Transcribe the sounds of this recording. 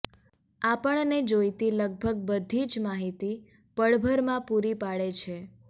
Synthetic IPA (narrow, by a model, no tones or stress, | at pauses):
apəɳned͡ʒojt̪iləɡ̚bʱəɡ̚bəd̪ʱid͡ʒmaɦit̪i | pəɭbʱəɾmãpuɾipaɭet͡ʃʰe